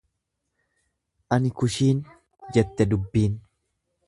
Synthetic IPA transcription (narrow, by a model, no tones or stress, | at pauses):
ʔɐnɪkʊʃiːn | d͡ʒɛt̪ːɛd̪ʊbːiːn